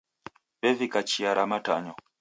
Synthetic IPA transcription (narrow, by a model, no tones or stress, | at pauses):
bɛvikat͡ʃiaɾamataɲɔ